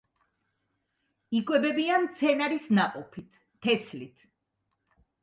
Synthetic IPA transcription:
ikʼwɛbɛbiant̪sʰɛnaɾisnaqʼɔpʰit̪ʰːɛslit̪ʰ

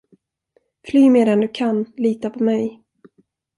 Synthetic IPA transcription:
flyːmeːd̪ɛnd̪ɵkʰanliːt̪apʰɔmɛj

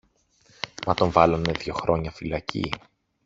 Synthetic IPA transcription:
mɐt̪o̞ɱvɐlɐneðʝo̞xɾo̞ɲɐfilɐcḭ

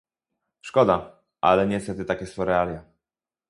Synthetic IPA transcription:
ʂkɔd̪a | ʔa̰lɛɲɛst̪ɛt̪ɘt̪akʲɛsɔ̃wɾɛalʲja

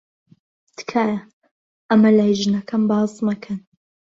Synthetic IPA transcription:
t̪ɨ̥kʰaːjɐ | ʔɐmɐlaːjʒɨnɐkʰɐmbɑːzˤmɐkʰɐn

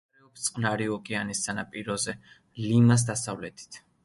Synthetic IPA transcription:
ɾɛɔpt̪sʼqʼnaɾiɔkʼɛanisːanapʼiɾɔzɛ | limas̬d̪asavlɛt̪ʰi̥t̪ʰ

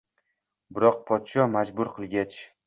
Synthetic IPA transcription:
bɪɾɒq̚pʰɒt̪ʃɒmad͡ʒbʊɾqʰɨlˠɡʲat͡ʃ

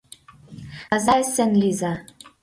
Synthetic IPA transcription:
ɑzɑsɘ̆nlizɑ

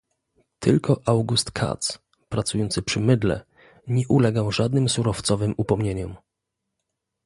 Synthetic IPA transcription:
t̪ʰɘlkɔʔawɡust̪kʰa̰t̪s | pɾat̪sujɔnt̪sɘpʂɘmɘd̪lɛ̰ | ɲɛʔulɛɡawʐad̪nɘmsuɾɔft̪sɔvɘmupɔmɲeɲɔm

